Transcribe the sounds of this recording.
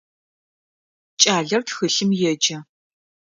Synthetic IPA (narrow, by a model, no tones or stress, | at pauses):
t͡ʃʼaːɮɐrtxɨɬɨmjɛd͡ʒɐ